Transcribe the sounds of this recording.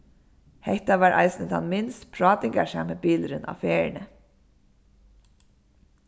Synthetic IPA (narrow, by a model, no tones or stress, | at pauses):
hɛht̪ɑʋɑːɾʔɑ̰ɪsn̩t̪ʰɑ̰nmɪnst̪pʰɹɑːt̪ɪŋɡɑʃɑ̰ːmebiːlɾənʔɑ̰ːfeːəɳə